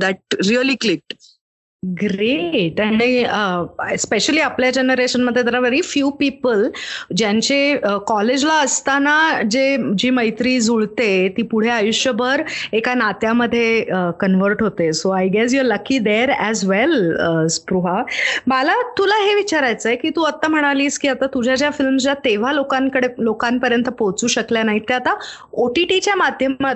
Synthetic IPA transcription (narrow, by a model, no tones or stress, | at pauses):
d̪æʈ̚ɾiəliklik̚ʈ | ɡɾeʈaɽ̃iəspeɕəliːapljad͡ʑenəɾeɕənməd̪ʱːjed̪əɾaʋeɾiːfjuːpipəld͡ʑjãɲt͡ɕeəkɔled͡ʑlaəst̪anad͡ʑed͡ʑiːməjt̪ɾiːd͡zuɭt̪et̪iːpuɽ̤eajuɕjəbʱəɾekanat̪jaməd̪ʱːjeəkənʋəɾʈɦot̪esoajɡɛs̬jɔɾləkid̪eɾɛzʋɛləspɾuɦamalat̪ulaɦeʋit͡ɕaɾajt͡səjkiːt̪uːət̪ːam̤əɽ̃aliːskiːat̪at̪ud͡ʑʱad͡ʑjafilmsd͡ʑat̪eʋ̤alokãŋkəɽelokãmpəɾjənt̪əpowt͡suːɕəkljanaɦit̪eat̪aoʈiʈit͡ɕjamad̪ʱjəmat̪